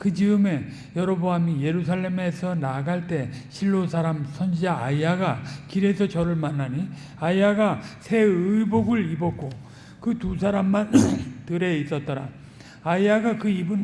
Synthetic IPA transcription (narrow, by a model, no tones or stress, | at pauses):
kɯd͡ʑiɯme̞ | jʌɾʌboɦamije̞ɾusʰaɭːe̞me̞sʰʌnaɡaɭt͈e̞ɕʰiɭːosʰaɾamsʰʌnd͡ʑid͡ʑaaiaɡakiɾe̞sʰʌt͡ɕʌɾɯɭmanːaɲi | aiaɡasʰe̞ɯiboɡɯɭibʌk͈o | kɯtusʰaɾamːantɯɾe̞is͈ʌt̚t͈ʌɾa̰ | aiaɡakɯibun